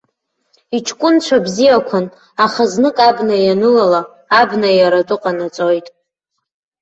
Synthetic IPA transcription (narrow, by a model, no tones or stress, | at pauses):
it͡ʃʰkʷʼʊnt͡ɕʷʰabzijakʷʰan | aχaznɨkʼabnajanɨlalaː | bnajaɾatʼʊqʼanat͡sʼo̞jtʼ